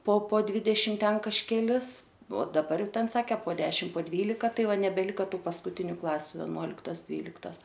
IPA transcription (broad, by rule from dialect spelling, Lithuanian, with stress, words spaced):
poː poː ˈdʲʋʲɪdʲɛʃʲɪm ˈtʲɛn kɐʃʲkʲɛˈlʲɪs oː dɐˈbɐr ˈjɛʊ ˈtʲɛn ˈsɑːkʲɛ poː ˈdʲæːʃʲɪm poː ˈdʲʋʲiːlʲɪkɐ ˈtɐɪ ˈʋɐ nʲɛbʲɛˈlʲɪkɐ ˈtuː pɐskʊˈtʲɪnʲʊ ˈklˠɑːsʲʊ ʋʲɛˈnuɔlʲɪktoːs ˈdʲʋʲiːlʲɪktoːs